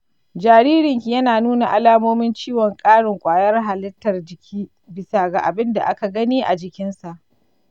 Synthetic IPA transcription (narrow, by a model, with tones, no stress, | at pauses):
d͡ʒaː˨ɾiː˦ɾɪ˨ŋkʲi˨jɐ˦naː˨nuː˦na˨ʔa˨laː˦moː˦mɪ˦nt͡ʃiː˦wɔ˨ŋkʼaː˦ɽɪ˨ŋkʷʼaː˨jɐ˦rɦa˨lɪ˦tːɐ˨rd͡ʒɪ˨kʲʰiː˦ | bɪ˨sa˨ɡa˨ʔa˨bɪ˦nda̰˨ʔa˦ka˨ɡɐ˦niː˦ʔa˨d͡ʒɪ˨kʲɪ˦nsa˨ʔ